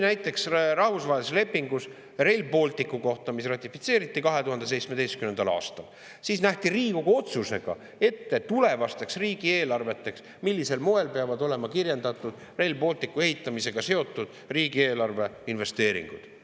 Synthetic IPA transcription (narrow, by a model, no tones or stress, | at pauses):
næjt̪ːˑe̞ksrɑhvusvɑːelsele̞pːiŋɡus | re̞lʲbo̞lt̪ˑikːuko̞ht̪ɑmis̬rɑt̪ʲːˑifit̪se̞ːɾit̪ːˑikɑɦe̞t̪uɦɑnd̪e̞s̬ejt̪sme̞d̪e̞jst̪kymne̞nd̪̥ɑlɑ̰ːst̪ɑl | sisnæht̪iriːɡuɡo̞t̪suse̞ɡ̥ɑ̰ | e̞t̪ːet̪ule̞vɑst̪eksriːɡ̥ie̞ːlɑrve̞t̪ːˑe̞ks | milːise̞lmoe̞lpe̞ɑvɑd̪o̞le̞mɑkirje̞nd̪̥ɑt̪ːˑud̪̥ | re̞lbo̞lʲt̪ikːue̞ɦit̪ːˑɑmise̞ɡ̥ɑse̞o̞t̪ˑːud̪̥ | riːɡie̞ːlɑrve̞inve̞st̪e̞ːɾḭŋɡ̥ud̪̥